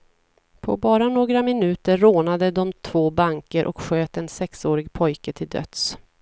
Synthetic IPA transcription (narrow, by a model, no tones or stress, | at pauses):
pʰɔ̰bɑːɾanoːɡɾamɪnʉ̟ːt̪əɾːoːnad̪əd̪ɔmt̪ʰv̥oːbaŋkəɾʔɔ̰kɧøːt̪ɛnsɛksoːɾɪɡpʰɔjkət̪ʰɪld̪œ̰t̪s